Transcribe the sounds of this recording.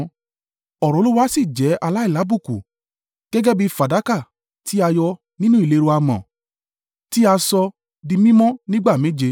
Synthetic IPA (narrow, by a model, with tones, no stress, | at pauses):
ɔ˨ɾɔ̃˨˦lu˦wa˦si˦˨d͡ʒɛ˨˦ʔa˧la˦i˦˨la˨˦bu˦˨kṵ˨ | ɡ̥ɛ˦ɡɛ˦bi˧fa˨da˨˦ka˦˨ | tʰi˦a˧jɔ˧ | nĩ˦nũ˦i˦˨le˧ɾo˧a˧mɔ̰̃˨ | ti˦a˧sɔ˧ | dĩ˧mĩ˦mɔ̃˦nĩ˦ɡ͡ba˦˨mẽ˨˦d͡ʒe˧